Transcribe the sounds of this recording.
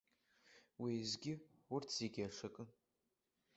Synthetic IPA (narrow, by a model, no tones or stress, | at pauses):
wijzɡʲɪʊrtʰz̥eɡʲaʂakʼɨn